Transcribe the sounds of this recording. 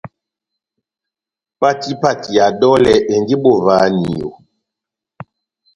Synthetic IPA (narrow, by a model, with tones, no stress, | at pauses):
pa˦˨ti˦pa˨ti˨ja˨dɔ˦lɛ˨ʔe˨nɡi˦ɓo˦˨vaː˨˦ni˨jo̰˨